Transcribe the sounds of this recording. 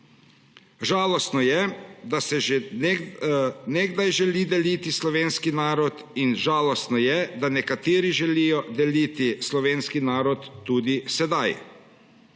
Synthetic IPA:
ʒaːlɔst̪nɔjɛd̪asɛʒ | neɡd̪ajʒɛlid̪ɛlit̪islɔʋeːnskinaːɾɔt̪ | inʒaːlɔst̪nɔjɛd̪anɛkat̪eːɾiʒɛlijɔd̪ɛliːt̪islɔʋeːnskinaːɾɔt̪ːuːd̪isɛd̪aj

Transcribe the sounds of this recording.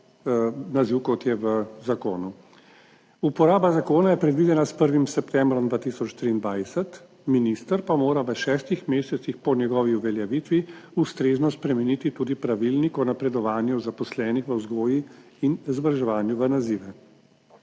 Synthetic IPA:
naziwkɔt̪jɛʋəzakoːnu | upɔɾaːbazakoːnajɛpɾɛd̪ʋid̪ɛnaspəɾʋimsɛpt̪ɛmbɾɔmd̪ʋaːt̪isɔt͡ʃt̪ɾiːnd̪ʋaːjsɛt̪ | minist̪əɾpamoːɾaʋəʃɛːst̪ixmeːsɛt̪sixpɔnjɛɡɔːʋiuʋɛljaʋit̪ʋiust̪ɾeːznɔspɾɛmɛnit̪it̪ud̪ipɾaʋilnikɔnapɾɛd̪ɔʋaːnjuzapɔslɛːnixʋəzɡoːji | inzbɾʒɛʋaːnjuʋənaziːʋɛ

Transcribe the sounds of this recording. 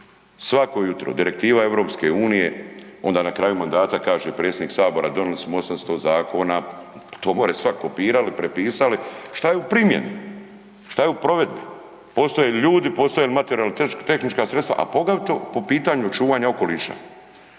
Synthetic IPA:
sʋako̞jut̪ɾo̰d̪iɾek̚t̪iːʋae̞ʋɾo̞ːpske̞uːnije̞o̞nd̪aːnakɾaːjumand̪aːt̪akaːʒepɾe̞t̪sʲed̪iːksaːbo̞ɾad̪o̞nilismoo̞samst̪o̞zaːkʰo̞ːnat̪oːmoːɾesʋakopiːɾalipɾepiːsaliʃt̪ajeupɾimje̞̰nu | ʃt̪ajeupɾo̞ʋe̞d̪̚bi | po̞st̪o̞jeliʎuːd̪ipost̪oelimat̪eɾialit̪et̪e̞xnit͡ʃkasɾet̪st̪a̰ʔa̰po̞ɡat̪opo̞piːt̪aɲut͡ʃuːʋaːɲao̞ko̞liːʃa̰

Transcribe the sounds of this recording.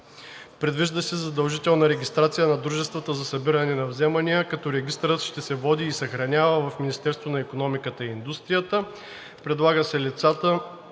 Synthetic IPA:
pɾɛd̪viʒd̪əsɛzɐd̪ɐlˠʒit̪ɛlˠnɐɾɛɡʲist̪ɾat̪sijənɐd̪ɾuʒɛst̪vət̪əzɐsɐbiɾənɛnɐvzɛmɐnijəkɐt̪ɔɾɛɡʲist̪əɾət̪ʃt̪ɛsɛvɔd̪iːsɐxɾɐnʲavəvɐfminist̪ɛɾst̪vonɐikonɔmikət̪əiːnd̪ust̪ɾijət̪ə | pɾɛd̪lˠaɡəsɛlit̪sat̪ə

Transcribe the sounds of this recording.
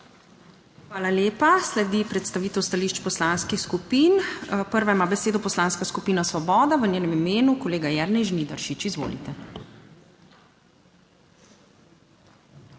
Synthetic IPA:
xʋaːlaljeːpaslɛd̪ipɾɛt̪st̪aʋiːt̪ɛwst̪aliːʃt͡ʃpɔslaːnskixskupiːnpəɾʋajmaːbɛseːd̪ɔpɔslaːnskaskupiːnasʋɔbɔːd̪aʋənʲeːnɛmimeːnukɔleːɡajɛɾnɛjʒnid̪aɾʃit͡ʃizʋo̰ːlḭt̪ɛ

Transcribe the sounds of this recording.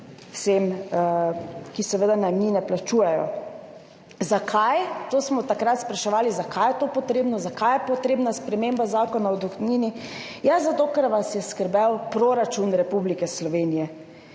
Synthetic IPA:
wsem | kisɛʋəd̪ananinɛplat͡ʃuːjɛjɔ̰ | zakʰajt̪oːsmɔt̪akɾat̪spɾaʃɛʋaːlizakʰajɛt̪oːpɔt̪ɾeːbnɔzakajɛpɔt̪ɾeːbnaspɾɛmembazaːkɔnawd̪uxniːni | jazat̪okəɾʋasjɛskəɾbɛwpɾoɾat͡ʃunɾɛpublikɛslɔʋeːnijɛ

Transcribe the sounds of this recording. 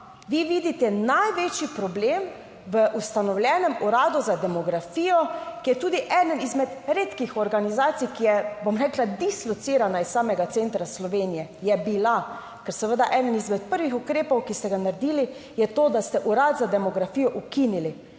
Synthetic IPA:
ʋiʋiːd̪it̪ɛnajʋeːt͡ʃipɾɔbleːm | ʋəʔust̪anɔwlʲjɛːnɛmuɾaːd̪uzad̪ɛmɔɡɾafiːjɔkijɛt̪uːd̪iʔɛd̪ənizmɛt̪ɾeːt̪kixɔɾɡanizaːt̪sijkijɛbomɾɛːklad̪islɔt̪siːɾanaissaːmɛɡat̪sent̪ɾaslɔʋeːnijɛjɛbila | kɛɾsɛʋəd̪aʔɛːd̪ənizmɛt̪̚pəɾʋixukɾeːpɔwkist̪ɛɡanaɾd̪iːlijɛt̪oːd̪ast̪ɛʔuɾat̪zad̪ɛmɔɡɾafiːjɔʔukinili

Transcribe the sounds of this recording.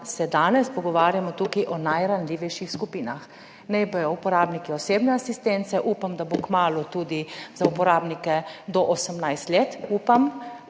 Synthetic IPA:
sɛd̪aːnɛspɔɡɔʋaːɾjamɔt̪ukiʔɔnajɾanlʲiːʋɛjʃixskupiːnax | nɛjbɔjɔupɔɾaːbnikiɔseːbnɛasist̪ent̪sɛʔuːpamd̪abokmaːlut̪ud̪izaupɔɾaːbnikɛd̪ɔʔosəmnajst̪leːt̪uːpam

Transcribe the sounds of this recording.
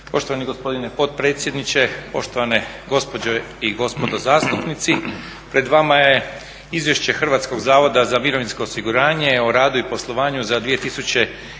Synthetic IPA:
po̞ʃt̪oʋaniɡo̞spo̞d̪inepo̞t̪̚pɾe̞ːt̪sʲjed̪nit͡ɕe̞po̞̰ʃt̪o̞ʋane | ɡo̞spo̞d͡ʑoiɡo̞spo̞d̪ozaːst̪upnit̪si | pɾe̞d̪ʋamaje̞ | izʋje̞ʃt͡ɕe̞xr̩ʋat̪sko̞ɡzaːʋo̞d̪azamiɾo̞ʋinsko̞ːsiɡuɾaːɲe̞oɾaːd̪uipo̞slˠo̞ʋaːɲuzad̪ʋije̞t̪isut͡ɕe̞

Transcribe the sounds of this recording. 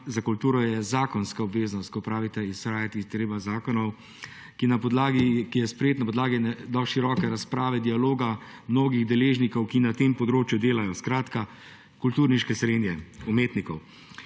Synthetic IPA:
zakult̪uːɾɔjɛzaːkɔnskaɔbʋeːznɔst̪̚kɔpɾaːʋit̪ɛisxɾaːjat̪it̪ɾeːbazaːkɔnɔw | kinapɔd̪laɡikijɛspɾɛjeːt̪napɔd̪laːɡinɛd̪ɔʃiɾɔkɛɾaspɾaːʋɛd̪ialoːɡa | mnoːɡiɣd̪ɛleːʒnikɔwkinat̪empɔd̪ɾoːt͡ʃjud̪eːlajɔskɾaːt̪ka | kult̪uːɾniʃkɛsɾeːnjɛumeːt̪nikɔw

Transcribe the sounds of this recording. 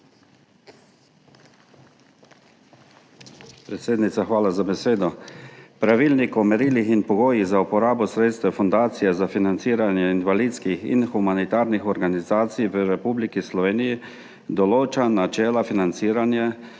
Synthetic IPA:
pɾet̪seːd̪nit̪saxʋaːlazabɛseːd̪ɔpɾaʋiːlnikɔmɛɾiːlixinpɔɡoːjizaupɔɾaːbɔsɾeːt̪st̪ʋɛfɔnd̪aːt̪sijɛzafinant̪siːɾanjɛinʋaliːt̪skixḭnxumanit̪aːɾnixɔɾɡanizaːt̪sijʋəɾɛpublikislɔʋeːniji | d̪ɔloːt͡ʃanat͡ʃɛːlafinant̪siːɾanja

